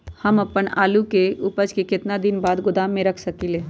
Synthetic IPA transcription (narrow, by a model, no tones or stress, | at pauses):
həmɐpəna̰ːlukeʔʊpəd͡ʒkekɪt̪nad̪ɪnbaːd̪ɡʊd̪aːmːẽɾəkʰsəkileː